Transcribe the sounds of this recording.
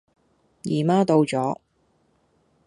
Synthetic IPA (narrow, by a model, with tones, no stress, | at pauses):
jiː˨˩maː˥t̪o˧wt͡sɔː˨˥